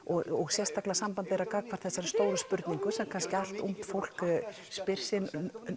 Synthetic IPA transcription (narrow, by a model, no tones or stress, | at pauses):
ɔɣɔɣsjɛst̪aklasampant̪ɪɛɾaðkaːkvaɾ̥θɛsːaɾst̪oːwɾʏspʏɾt̪niŋkʏsɛmkʰanscɪal̥t̪um̥t̪fowl̥k | spɪr̥sɪn